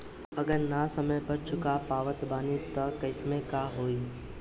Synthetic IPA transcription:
əɡəɾnasəməjbəɾt͡ʃʰʊkapaːʋət̪baːnit̪əkəɪsmẽkaɦoːi

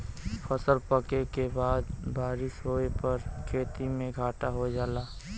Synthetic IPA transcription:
pʰəsəlpəkekebaːd̪baːɾɪsɦoepəɾkʰeːt̪imẽɡʱaːʈaɦod͡ʒaːla

